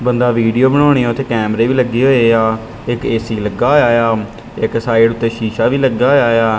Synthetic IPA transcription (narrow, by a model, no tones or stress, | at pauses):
bənd̪aːʋiːɖijoːbəɽ̃oːɽ̃eːaːʊt̪ʰeːkɛːmɾeːʋiːləɡːiːɦoːeːaː | ɪkeːsiːləɡaːɦoːjaːjaː | ɪksaːɪɖʊt̪ːeːʃiːʃaːʋiːləɡaːɦoːjaːjaː